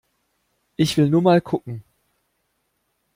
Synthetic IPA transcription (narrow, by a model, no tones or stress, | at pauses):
ʔɪçv̥ɪlnuːɐmaːlkʰʊkŋ̩